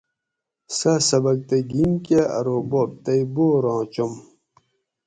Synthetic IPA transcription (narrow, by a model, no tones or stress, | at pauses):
sɐsɐbɐk̚t̪eɡimkeɐ̰ɾobop̚t̪ɐjboɾɑ̃ːt͡ɕom